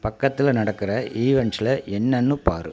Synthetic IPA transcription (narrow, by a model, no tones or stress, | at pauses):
pɐkːɐt̪ːɪlnɐɽɐkːɪrɐʔiːʋɛɳsɪlɐʔɛnːɐnːɯpa̰ːɾɯ̰